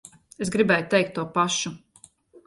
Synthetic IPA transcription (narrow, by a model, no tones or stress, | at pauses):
es̬ɡɾibɛːjut̪ɛjk̚t̪ːuɔpaʃu